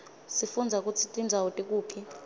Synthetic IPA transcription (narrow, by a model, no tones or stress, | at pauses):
sifund͡zʱak̬ʼut͡sʰitʼind͡zʱawutʼik̬ʼuːpʰi